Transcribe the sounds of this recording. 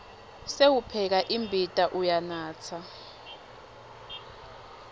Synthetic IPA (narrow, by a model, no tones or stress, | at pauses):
sewupʰɛk̬aʔimbʱitʼaʔujanaːt͡sʰa